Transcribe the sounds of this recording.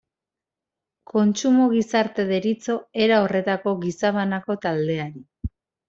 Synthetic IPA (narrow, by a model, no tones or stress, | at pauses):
ko̞nt͡ʃumoɣisaɾt̪e̞ðe̞ɾit͡so̞e̞ɾaore̞t̪ako̞ɣisaβanako̞t̪ald̪e̞aɾi